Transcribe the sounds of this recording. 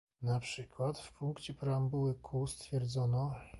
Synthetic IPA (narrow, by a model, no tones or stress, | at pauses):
napʂɘkwat̪fpuŋkt͡ɕɛpɾambuwɘkʰust̪fʲjɛɾd̪zɔnɔ